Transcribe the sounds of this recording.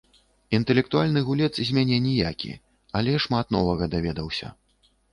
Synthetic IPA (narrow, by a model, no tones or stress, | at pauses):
int̪ɛlʲɛk̚t̪ualʲnɨɣulʲɛt̪szʲmʲanʲɛnʲɛjakʲḭ | alʲɛʂmat̪nɔ̰vɐɣɐd̪avʲɛd̪ɐwsʲɐ̰